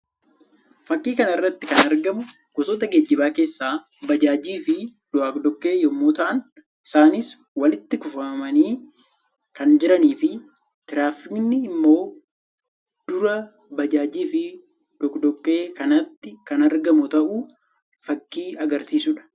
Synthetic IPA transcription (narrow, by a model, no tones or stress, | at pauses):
fɐkːiːkɐnɐɪrːɐt̪ːɪkɐnɐɾɡɐmʊ | ɡ̥ɔsɔːt̪ɐɡeːd͡ʒːɪbaːke̞ːsːaː | bɐd͡ʒaːd͡ʒiːfɪd̪̥ʊaːkd̪ɔkʼːe̞ːjɔmːoːt̪ɐʔɐn | ɪ̥saːnɪs | wɐlɪt̪ːɪkʊfɐmɐmɐniː | kɐnd͡ʒɪɾɐniːfɪ | t̪ɪɾaːfɪknɪːmːo̞ː | d̪̥ʊɾɐ | bɐd͡ʒaːd͡ʒiːfɪ | d̪ɔkd̪ɔkʼːe̞ːkɐnɐt̪ːɪkɐnɐɾɡɐmʊt̪ɐʔuː | fɐkːiːɐɡɐɾsiːsuᶑɐ̥